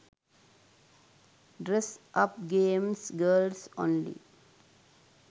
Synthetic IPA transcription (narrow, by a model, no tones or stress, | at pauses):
ɖɾesʔʌpɡẽːmsɡəːlsɔ̰̃ːnlḭ